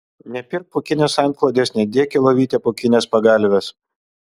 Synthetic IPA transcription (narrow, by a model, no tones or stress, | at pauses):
nʲɛpʲɪɾk̚pʊkʲɪnʲeːsɑˑnklˠoːd̪ʲeːsnʲɛd̪ʲeɛkʲelˠoʋʲiːt̪ʲepʊkʲɪnʲeːspɐɡɑlʲʋʲes